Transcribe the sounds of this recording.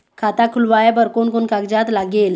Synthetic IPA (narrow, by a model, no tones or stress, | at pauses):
kʰat̪akʰulʋajebəɾkonkonkaɡd͡ʑat̪laɡel